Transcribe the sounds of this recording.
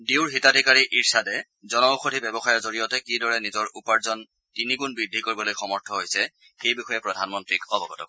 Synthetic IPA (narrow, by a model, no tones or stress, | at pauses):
diwɹɦitadʱikaɹiʔiɹsadɛ | zɔnɔuxotʰibɛbɔxajɔɹzoɹijɔtɛkidɔɹɛnizɔɹupaɹzɔn | tiniɡunbɹidʱːikoɹibɔlojxɔmɔɹtʰɔɦojsɛ | xejbixɔjɛpɹɔdʱanmɔntɹikɔbɔɡɔtɔ̰k